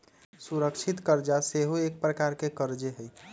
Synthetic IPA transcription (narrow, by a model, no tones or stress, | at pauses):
suɾəkʃʰit̪kəɾd͡ʒaseɦoek̚pɾəkaɾkekəɾd͡ʒeɦəj